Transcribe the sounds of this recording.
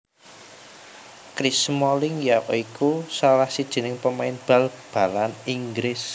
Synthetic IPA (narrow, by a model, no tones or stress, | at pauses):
kɾismɔlɪŋjaʔikusalahsid̥ʒ̥i̤nɪŋpəmaɪnb̥a̤lb̥a̤laniŋɡɾɪs